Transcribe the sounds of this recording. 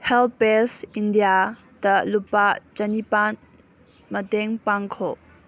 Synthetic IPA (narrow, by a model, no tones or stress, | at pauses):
hɛlpesindija | dɐlupad͡ʒɐnipan | mɐtɛŋpaŋkʰɔ